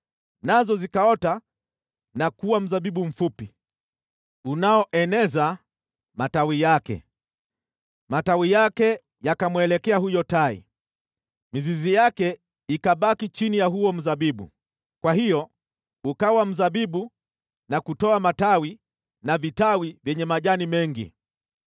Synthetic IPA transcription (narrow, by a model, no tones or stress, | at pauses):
nazɔzikaɔta | nakuwam̩zaɓiɓum̩fupi | unaɔʔɛnɛza | matawijakɛ̰ | matawijakɛ | jakamwɛlɛkɛahujɔtaḭ | mizizijakɛ | ikaɓakit͡ʃinijaɦuɔm̩zaɓiɓṵ | kwahijɔ | ukawam̩zaɓiɓu | nakutɔamatawi | navitawivjɛɲɛmaʄanimɛŋɡḭ